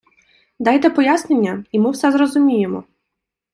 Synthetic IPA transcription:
d̪ɑjt̪ɛpɔjasnenʲːɐimɪwsɛzrɔzʊmʲijemɔ̰

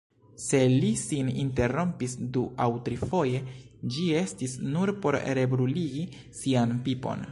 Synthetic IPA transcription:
se̞lisinḭnte̞ɾo̞mpisduʔawtɾifo̞je̞d͡ʒie̞stisnuɾpo̞ɾɾe̞bɾuliɡi | sianpipo̞̰n

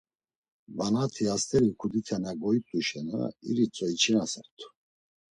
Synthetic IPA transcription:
vanat̪ʰiast̪ʰɛɾikʰud̪ik̪ʰanaɡɔit̪ʼuʃɛna̰ḭɾit͡sʼɔit͡ʃʰinasaɾt̪ʰu̥

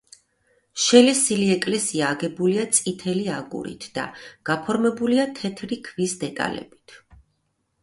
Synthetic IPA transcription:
ʃɛlɛsiliɛkʼlɛsiaːɡɛbuliat̪sʼit̪ʰɛliaɡṵɾḭt̪ʰd̪̥a̰ɡ̥apʰɔɾmɛbuliat̪ʰɛt̪ʰɾikʰvisd̪ɛt̪ʼa̰lɛ̰bit̪ʰ

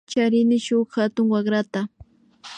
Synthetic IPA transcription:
t͡ʃaɾɪnɪʃʊχxat̪ʊŋwaχɾat̪a

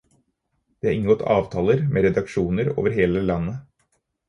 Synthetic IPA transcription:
d̪̥eːæɾɪŋːəɡɔt̪ːɑ̰ːʋt̪ʰɑːləɾmʔeːɾɛd̪ɑkʃuːnəɾo̰ːʋəɾɦeːləlɑnːə

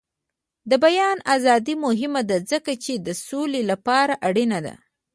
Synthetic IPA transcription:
d̪əbajɑnazɑd̪imʊɦɪmad̪azəkat͡ʃed̪əsolelapɑɾaʔaɽinad̪a̰

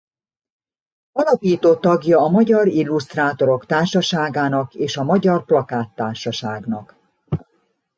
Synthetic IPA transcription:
ɒlɒpiːt̪oːt̪ɒɡjɒːmɒɟɒɾilːust̪raːt̪o̞ɾo̞kt̪aːrʃɒʃaːɡaːnɒkeːʃɒmɒɟɒrplɒkaːt̪ːaːrʃɒʃaːɡnɒk

